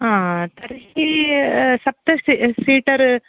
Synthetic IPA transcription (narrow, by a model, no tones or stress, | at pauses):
ãːt̪ɐɾɦi | sɐp̚t̪ɐsisiːʈɐɾ